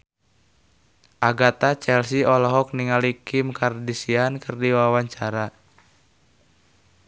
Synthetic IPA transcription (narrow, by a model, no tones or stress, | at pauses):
ʔaɡat̪at͡ʃɛlsiɔlɔɦɔk̚niŋalikʰimkardisiankɨrdiwawaɲt͡ʃaɾa